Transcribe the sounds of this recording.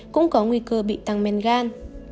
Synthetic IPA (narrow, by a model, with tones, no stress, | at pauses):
kʊ̰˧˥ŋ͡mkɔ˨˦ŋwi˧kəː˧ɓḭ˧˨t̪a˨˩ŋmɛ˨˩nɣaː˧n